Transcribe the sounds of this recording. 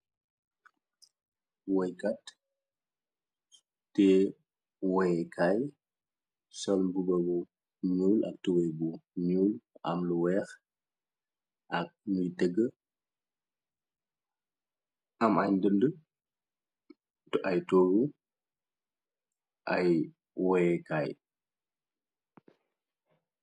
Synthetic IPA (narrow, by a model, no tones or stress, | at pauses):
wɔjkat | tɛ | wɔkʰaj | sɔlbubɐbu | ɲuːlʔɐ̰k̚tuwɛjbuɲuːlɐ̰mluwɛːx | ʔɐk̚mujtəɡːə | ɐmɐjndəndə | tɐjtoːɡu | ʔɐj | wɔjɛkaːj